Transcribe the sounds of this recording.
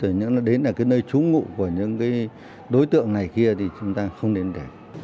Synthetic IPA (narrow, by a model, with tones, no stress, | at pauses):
ə˧˨˩ɲɨ̰˧˥ŋlaː˨˩ɗe˨˦nlaː˨˩kaː˨˦jnəː˧jt͡ɕu˨˦ŋṵ˧˨ku˧˩əɲɨ̰˧˥ŋkaː˨˦j | ɗo˨˦jt̪ɨ̰˧˨əŋna˨˩jki˧ət̪ʰi˨˩t͡ɕʊ˨˦ŋ͡mt̪aː˧xə˧wŋ͡mɗe˨˦nɗe˧˩